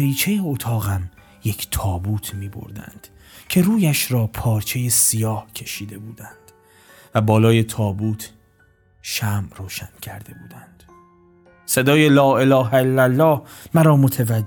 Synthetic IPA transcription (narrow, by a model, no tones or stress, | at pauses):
ɾiːt͡ʃʰe̞jeot̪ʰɒːɣæm | je̞kʰt̪ʰɒːbuːt̪ʰmiːbo̰ɾd̪æ̰nd̪̥ | cʰe̞ɾuːjæʃɾɒːpʰɒːɾt͡ʃʰe̞je̞sijɒːhcʰe̞ʃiːd̪e̞buːd̪ænd̪̥ | væbɒːlɒːje̞t̪ʰɒːbuːt̪ʰ | ʃæmroːʃæncʰæɾd̪e̞buːd̪ænd̪̥ | se̞d̪ɒːjelɒːe̞lɒːɦæelːælːɒːhmæɾɒːmot̪ʰevæd͡ʒ